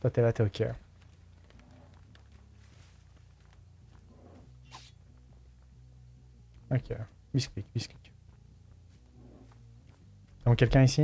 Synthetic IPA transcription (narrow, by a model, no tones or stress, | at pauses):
t̪at̪elat̪eokʰʲe | okʲʰe | bisklikbisklik | d̪ɔ̃kʲɛlkʲɛ̃isi